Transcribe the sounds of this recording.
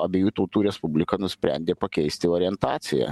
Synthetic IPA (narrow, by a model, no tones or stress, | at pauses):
ɐbʲeːjuːt̪oʊt̪uːɾʲɛspʊbʲlʲɪkɐnʊsʲpʲɾʲæ̰nʲd̪ʲeːpɐkʲɛɪsʲt̪ʲɪoːɾʲɪɛnt̪ɑːt̪sʲɪjɛ̰